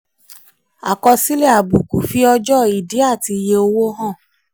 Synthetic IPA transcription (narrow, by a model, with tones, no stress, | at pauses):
a˨kɔ˧si˦le˦a˨bu˨ku˨fi˦ɔ˧d͡ʒɔ˦i˨di˨˦a˦˨ti˧je˧o˧wo˦ɦɔ̃˦˨